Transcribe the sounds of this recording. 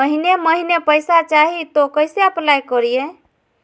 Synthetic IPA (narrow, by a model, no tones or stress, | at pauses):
əɦineməɦinepəjsat͡ʃaɦit̪okəjseəplajkəɾije